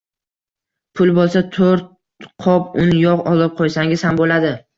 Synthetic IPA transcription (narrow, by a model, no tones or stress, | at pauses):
pʰʊlˠbolˠsat̪ʰoɾt̪̚ | qʰɒpʊnɪjɒqɒlˠɪp̚qʰojsaŋʲɪz̥hambolad̪ɪ